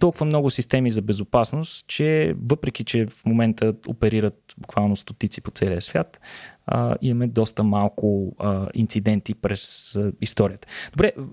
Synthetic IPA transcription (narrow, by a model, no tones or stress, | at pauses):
t̪ɔlˠkʊvəmnɔɡʊsist̪ɛmizɐbɛzʊpasnost̪t͡ʃɛvɤpɾɛk̟it͡ʃɛfmomɛnt̪əo̰pɛɾiɾət̪bʊkvalˠnost̪ot̪it̪si̥pot̪sɛliəsvʲjat̪ə̰imɐmɛd̪ɔst̪əmalˠkʊḭnt̪sid̪ɛnt̪ipɾɛsist̪ɔɾiət̪ə̥d̪obɾɛ